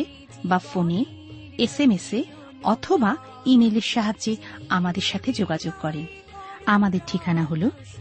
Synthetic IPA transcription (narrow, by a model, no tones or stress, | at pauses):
bafone | esemese | ɔt̪ʰoba | imeleɾʃaɦadːd͡ʑeamad̪eɾʃat̪ʰed͡ʑoɡad͡ʑoɡ̚kɔɾen | amad̪eɾʈʰikanaɦolo